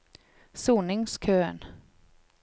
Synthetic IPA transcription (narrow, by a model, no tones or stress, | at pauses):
suːnɪŋskʰøːn